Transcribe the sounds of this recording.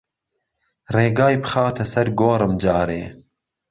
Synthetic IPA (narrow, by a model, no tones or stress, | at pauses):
reːɡɑːjpɨ̥xɑːt̪ʰɐsɐɾɡoːɾɨmd͡ʒɑːɾḛː